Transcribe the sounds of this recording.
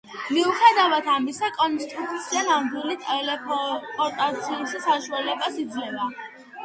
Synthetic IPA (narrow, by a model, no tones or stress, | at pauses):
miuχɛd̪avat̪ʰamisakʼɔnst̪ʼɾuk̚ʰʼt̪sʰianamd̪wilit̪ʼɛlɛpʰɔpʼɔɾt̪ʼat̪sʰiuʃisaʃualɛbasid̪zlɛba